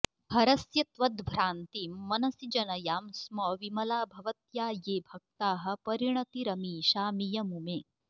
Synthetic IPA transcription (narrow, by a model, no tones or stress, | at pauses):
bʱɐɾɐsjɐt̪ʋɐd̪bʱɾaːnt̪iːmːɐnɐsid͡ʒɐnɐjaːmsmɐʋimɐlaːbʱɐʋɐt̪jaːjeːbʱɐk̚t̪aːɦɐ̆pɐɾiɳɐt̪iɾɐmiːʃaːmijɐmumeː